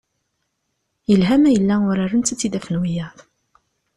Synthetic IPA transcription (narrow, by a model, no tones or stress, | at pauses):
jəlɦæmæjəlːæʊɾaɾənt͡s̪ːæt͡sːid̪æfənwijɑðˤ